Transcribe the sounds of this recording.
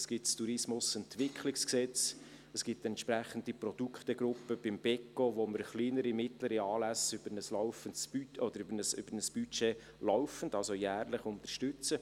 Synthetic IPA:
sɡ̥ɪtstuɾɪsmʊsɛntʋɪkχlɪksksɛt͡s | əsɡ̥ɪtɛnt̪ʃpɾæχəndipɾɔd̥̪ukχt̪əɡɾʊpːəb̥ɪmb̥ɛkːoʋoməɾχliːnəɾimɪt̪ləɾiɑːlæsʏb̥əɾnəslɔʊfəntsb̥yɔd̪əɾʏbəɾnəsʏ̰b̥əɾnəsb̥yt͡ʃeː | lɔʊfən̩dɑlsojæːɾləχʊnt̪əɾʃtʏt͡sə

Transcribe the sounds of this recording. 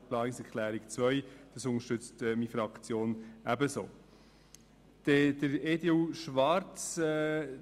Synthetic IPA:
plɑːnɪŋsɛkʰlæːɾikt͡svœʏd̥ɑsʊnəʃtʏt͡stːmifɾɑkt͡sjoːnæbəso̰ː | d̥ɛd̥əɾeːdeuʃvɑɾt͡sː

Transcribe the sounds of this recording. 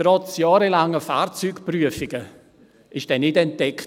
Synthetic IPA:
ɾɔt͡sjɑːɾɛlaŋəfa̰ːrt͡syːkpryəfɪɡə | ɪʃd̥ɛnɪdɛntdɛk

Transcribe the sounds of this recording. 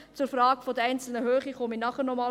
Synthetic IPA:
t͡sʊɾfrɑːɡfod̪əɾɛɪnt͡sl̩nəɦøːχiχominɑχəɾnɔmɑː

